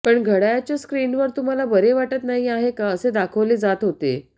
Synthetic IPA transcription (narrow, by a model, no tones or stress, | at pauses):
pəɳɡʱəɽajat͡ɕjaskɾiːnʋəɾt̪um̤alabəɾeʋaʈət̪naɦiaɦekaəsed̪akʰəʋleːd͡zat̪ɦot̪ḛ